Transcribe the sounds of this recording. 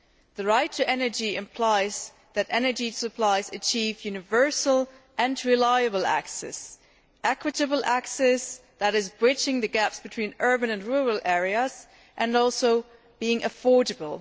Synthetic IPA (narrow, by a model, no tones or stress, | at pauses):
ðɨɹaɪtʰɨʔɛnə˞d͡ʒiɪ̃mpʰl̥aɪz | ðɨɾɛnə˞d͡ʒisəpʰl̥aɪzɨt͡ʃʰivjʉnɨvɜ˞sl̩ˠ | ʔɨ̃nɹɨlaɪɨbl̩ˠæ̰ksɛ̰s | ʔɛkʰwɨɾɨbl̩ˠʔæksɛsðɨɾɨzbɹɪt͡ʃɪ̃ŋðɨɡæpsb̥ɨtʰw̥ĩːnɜ˞bɨ̃nɨ̃nɹuɹəl̩ˠʔɛɹiɨz̥ | ʔɨ̃nɔlˠsoʊ | b̥iɪ̃ŋʔɨfɔɹd͡ʒɨbl̩ˠ